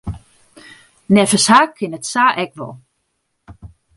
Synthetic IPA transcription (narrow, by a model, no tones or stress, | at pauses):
nɛfəshakʰːɪnətsaːʔɛkʋɔ̰